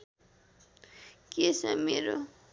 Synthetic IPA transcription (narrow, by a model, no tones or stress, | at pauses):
kesʌmeɾo